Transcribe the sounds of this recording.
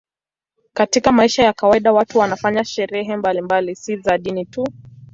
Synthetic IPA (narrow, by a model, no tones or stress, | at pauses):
katikamaiʃajakawaiɗawatuwanafaɲaʃɛɾɛɦɛmbalimbalisizaɗinitu